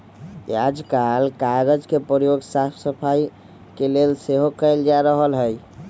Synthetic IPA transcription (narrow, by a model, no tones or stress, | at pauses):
jad͡ʒkalkaɡəd͡ʒkepɾəɾjoɡsat̪ʰsəpʰaj | kelelseɦokəjld͡ʒaɾəɦəlɦəj